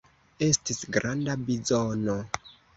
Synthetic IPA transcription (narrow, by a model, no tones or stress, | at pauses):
e̞stisɡɾandabizono